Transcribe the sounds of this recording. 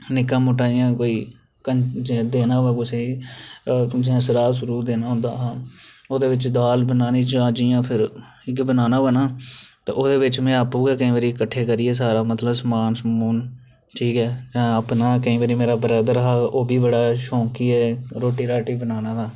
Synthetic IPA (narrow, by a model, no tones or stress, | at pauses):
nɪkːãːmoʈaːɪjãːkoːiː | kət͡ʃd̪eːnãːʋaːɡoseːiː | d͡ʒɛ̃ːsəɾaːsʊɾuːd̪eːnaːɦʊ̃nd̪a̰ːɦãːoːd̪eːʋɪt͡ʃd̪aːlbənaːniːd͡ʒãːd͡ʒijãːpʰɪɾ | ɪkbənaːnaːbənaːt̪ḛːʔoːd̪eːʋɪt͡ʃmɛ̃ːaːpũːkaːkəĩʋəɾiːkəʈʰːeːkəɾiːɛːs̬aːɾaːmət̪ləbsmaːnsmuːn | ʈʰiːkɛːd͡ʒãːəpnaːkəĩːʋəɾiːmeːɾaːbəɾaːd̪əɾɦaːʔoːbʱiːbəɽaːʃõːkiːɦɛːɾoːʈiːɾaːʈiːbənaːnaːt̪ʰaː